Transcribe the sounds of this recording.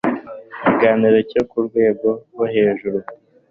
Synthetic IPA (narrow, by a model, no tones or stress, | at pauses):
ciɡaːniɾo̞cokuɾɡwe̞ːɡo̞ɡwohe̞ːʒuɾu